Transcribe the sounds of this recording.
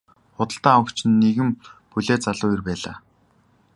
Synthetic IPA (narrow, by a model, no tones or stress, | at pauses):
χʊt̪ə̆ɬt̪aːə̆kt͡ɕʰɪ̆nːeɣɘ̆mpuɮeːt͡saɮʊːjirpæːɮa̰ː